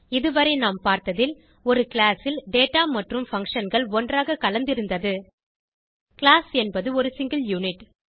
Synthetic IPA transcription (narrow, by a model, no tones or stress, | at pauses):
ɪðɯʋɐɾɐɪnaːmpaːɾt̪ɐðɪl | ɔɾɯkɪɭaːsɪlɖeːʈaːmɐʈrɯmfɐŋkʂɐnɡɐɭɔndraːɣɐkɐlɐnd̪ɪɾɯnd̪ɐðɯ | kɪlaːsɛnbɐðɯɔɾɯsɪŋɡɪljuːnɪʈ